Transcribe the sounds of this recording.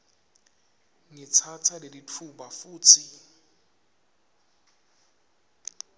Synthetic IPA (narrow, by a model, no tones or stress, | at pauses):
ŋit͡sʰat͡sʰaleditʰubafuːt͡sʰi